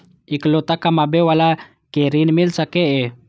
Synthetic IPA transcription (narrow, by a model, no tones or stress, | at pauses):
iklot̪akamabewala | keɾinmilsakeʔe